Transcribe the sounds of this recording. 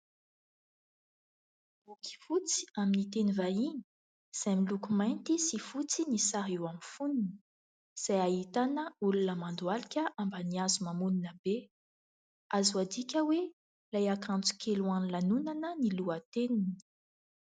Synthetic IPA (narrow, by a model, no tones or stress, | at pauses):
bukʲi̥fut͡si̥aminit̪enivaini̥ | z̥ajmilukumajnt̪isifut͡sinisaɦiwamifunini̥ | z̥ajaɦit̪anəulunəmand̪walikʲəʔambəniazumamuninəb̥e | azuwad̪ikʲəwe | lajakãnt͡su̥kʰeluanlanunanəniluat̪enini̥i̥